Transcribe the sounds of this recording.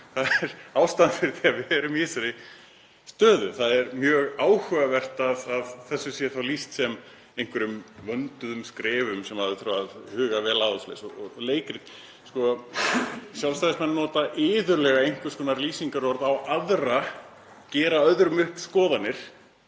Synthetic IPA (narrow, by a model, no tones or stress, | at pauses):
θaðɛɾawst̪anfɪɾ̥θiavɛɾʏmɪːsaɾɪ | st̪œːðʏθaðɛɾmjœːɣaːwhʏːɣavɛr̥t̪aðaðθɛsːʏsjɛɾ̥θawlist̪sɛm | ẽjŋ̥kvɛɾʏmvœnt̪ʏðʏmskɾɛːvʏmsɛmhaðʏθɾaaðhʏːɣavɛːlaːðɔsflḛjsɔɔleːjkɾɪ | skɔ | sjawlst̪ajðsmɛnːɔːt̪aʔɪːðʏɾlɛɣaejŋ̥kvʏskʰɔːnaɾliːsiŋkaɾɔɔɾðawʔaðra | cɛːɾaœðɾʏmʏhkskɔːðanːɪɾ̥